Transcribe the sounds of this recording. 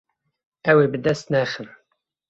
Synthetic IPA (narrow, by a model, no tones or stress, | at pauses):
æwibəd̪æst̪næχən